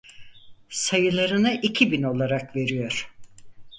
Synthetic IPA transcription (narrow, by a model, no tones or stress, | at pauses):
sajɯlˠaɾɯnɯʔicʰibino̞lˠaɾakve̞ɾijo̞ɾ̥